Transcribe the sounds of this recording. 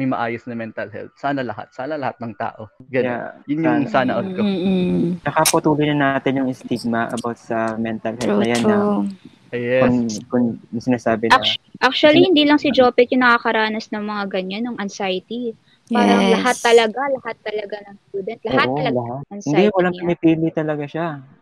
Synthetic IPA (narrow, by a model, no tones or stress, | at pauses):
mɐjmɐʔaːjosnɐmɛnt̪ɐlhɛ̰lt̪̚saːnɐlɐha̰t̪̚saːnɐlɐhat̪̚nɐŋt̪a̰ːʔoɡɐjajʊnjasaːnɐʔoko | nɐkɐpɐt̪uːlojnɐnaːt̪ɪnjʊŋɪst̪iɡ̚mɐʔɐ̰bawt̪̚sɐmɛnt̪ɐlhɛlnɐjanːa | ɛkʊŋkʊŋjʊŋsɪnaːsaːbɪnʔak̚t͡ʃuɐlihɪnd̪iːlɐŋsɪd͡ʒopɛt̪̚jʊnɐkaːkɐɾaːnɐsnɐŋmɐŋaɡɐɲanːʊŋʔɐnsajt̪i | paːɾɐŋlɐɦat̪ːɐlɐɡalɐhat̪ːɐlɐɡanɐŋst̪uːd̪ɛnt̪̚lɐʔoatːʔɐlɐlɐhat̪ɐnɪnd̪iwɐlaŋpɪmɪpiːlɪt̪ɐlɐɡaʃa